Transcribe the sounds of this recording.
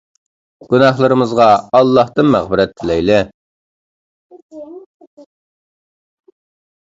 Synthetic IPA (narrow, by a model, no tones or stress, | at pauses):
ɡ̥ʲunɑχlˠəɾɨmɨzʁɑɑlˠːɑht̪ɨnmæʁbɪɾɛt̪ʰːɪlɛjlɪ